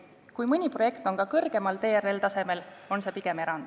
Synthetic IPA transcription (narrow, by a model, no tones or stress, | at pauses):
kujmɯnʲipro̞jekt̪o̞ŋkɑkɤrɡ̥e̞mɑlt̪e̞ːɾelt̪ɑse̞me̞lo̞nse̞ːpiɡ̥e̞me̞ɾɑnd̪̥